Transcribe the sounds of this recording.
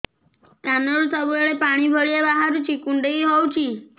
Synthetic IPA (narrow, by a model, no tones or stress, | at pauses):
tanɔɾusɔbuɔɭepaɽ̃ibʱɔɭiebaɦaɾut͡ʃʰikuɳɖejɦɔwt͡ʃʰi